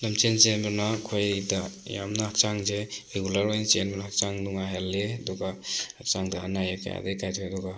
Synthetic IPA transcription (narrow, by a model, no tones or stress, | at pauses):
namt͡ʃent͡ʃenbɯnakʰojdaja̰mnahak̚t͡ʃaŋzeɾeɡulaɾɔjnsenbɔnahak̚t͡ʃaŋduŋaɦeledɔɡahak̚t͡ʃaŋdaanajaka̰ja̰dekajtʰɔjadɔɡa